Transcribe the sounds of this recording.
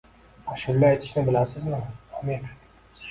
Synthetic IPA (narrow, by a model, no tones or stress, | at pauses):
aʃɪlːɪajt̪ʰɪ̥ʃnɪbɪlasɪzmɪɒmiɾ